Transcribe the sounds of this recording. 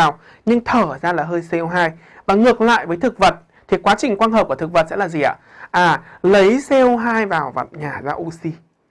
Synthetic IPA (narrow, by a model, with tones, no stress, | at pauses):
aː˨˩w | ɲɨ˧ŋt̪ʰəː˧˩zaː˧laː˨˩ɦəː˧jsɛ˧wɦaː˧j | vaː˨˩ŋɨ˨˩ək̚la̰ː˧˨jvəː˨˦jt̪ʰɨ˨˩k̚və˨˩t̚ | t̪ʰi˨˩kwaː˨˦t͡ɕï˨˩ŋ̟kwaː˧nhəː˨˩p̚ku˧˩ət̪ɨ˨˩k̚və˨˩t̚sɛ̰˧˥laː˨˩zi˨˩ʔa̰ː˧˦ | ʔaː˨˩lə˨˦jsɛ˧wɦaː˧jvaː˨˩wva̰˧˨mɲaː˨˩zaː˧ʔu˧si˧